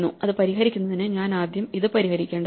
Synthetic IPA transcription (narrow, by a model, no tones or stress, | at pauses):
nːṵɐðɨpɐɾihɦɐɾikʲːunːɐðinɨɲaːnaːd̪jɐmiðɨpɐɾihɐɾikʲːe̞ːɳɖ